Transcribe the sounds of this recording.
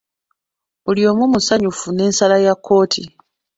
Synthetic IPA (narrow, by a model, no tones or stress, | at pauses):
ulijo̞ːmumusaɲufune̞ːnsalajakʰːo̞ːtʰḭ